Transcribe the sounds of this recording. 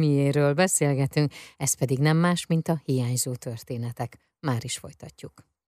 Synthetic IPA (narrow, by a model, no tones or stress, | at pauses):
mijeːɾøːlbɛseːlɡɛt̪yŋkɛs̚pɛd̪iɡnɛmːaːʃmint̪ɒhijaːɲzoːt̪ørt̪eːnɛt̪ɛk | maːɾiʃfojt̪ɒcːuk